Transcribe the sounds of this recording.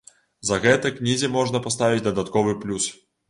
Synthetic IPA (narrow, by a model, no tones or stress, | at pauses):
zɐɣɛt̪ɐknʲizʲimɔʐnɐpast̪avʲit͡sʲd̪ɐd̪at̪kɔvɨplʲus